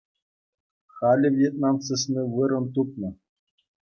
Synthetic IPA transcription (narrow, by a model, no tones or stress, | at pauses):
χɑlʲɘ̆vʲjet̪̚nɑnsɨsʲnʲiʋɯɾɤ̆nt̪up̚nɤ̆